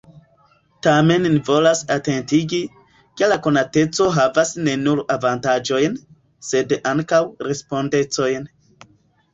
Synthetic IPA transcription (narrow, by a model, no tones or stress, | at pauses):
tame̞nːivo̞lasate̞ntiɡi | ke̞lako̞nate̞t͡so̞ɦavasne̞nuɾavantad͡ʒo̞jn | se̞daŋkawɾe̞spo̞nde̞t͡so̞jn